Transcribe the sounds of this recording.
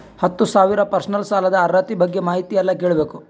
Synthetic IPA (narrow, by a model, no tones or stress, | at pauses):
hɐt̪ːusaːʋiɾɐpɐɾsɐnɐlsaːlɐd̪ɐːɾɐt̪ibɐɡːe̞maːɦit̪ijɐlːɐke̞ːɭbe̞ːku